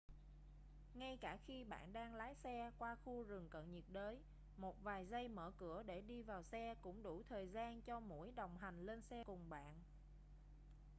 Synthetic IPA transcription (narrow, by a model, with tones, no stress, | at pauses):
ŋa˧jkaː˧˩xi˧ɓa̰ː˧˨nɗaː˧ŋlaː˨˦jsɛ˧kwaː˧xu˧zɨ˨˩ŋkə̰˧˨nɲi˨˩t̚ɗəː˨˦j | mo˨˩t̚vaː˨˩jzə˧jmə̰ː˧˩kɨ˧˩əɗe˧˩ɗi˧vaː˨˩wsɛ˧kʊ̰˧˥ŋ͡mɗu˧˩t̪ʰəː˨˩jzaː˧nt͡ɕɔ˧mṵ˧˥əjɗə˨˩wŋ͡mɦa˨˩jŋ̟le˧nsɛ˧kʊ˨˩ŋ͡mɓa̰ː˧˨n